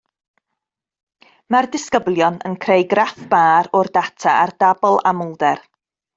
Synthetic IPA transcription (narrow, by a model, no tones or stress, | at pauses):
mardɪskəblˠjɔnə̰nkʰrejɡrafb̥aːɾɔrdatʰaʔardabɔlˠa̰mʊlˠdɛr